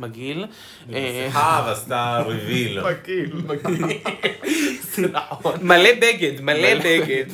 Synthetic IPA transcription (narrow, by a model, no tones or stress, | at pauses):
maɡil | ehavast̪aɾevilmaɡilmaɡ | malebeɡed̪malebeɡed̪